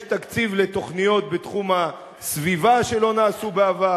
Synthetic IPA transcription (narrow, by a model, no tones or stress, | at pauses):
t̪akt͡sivlet̪o̞χnijo̞t̪̚bet̪χuma | svivaʃe̞lo̞naːsubeava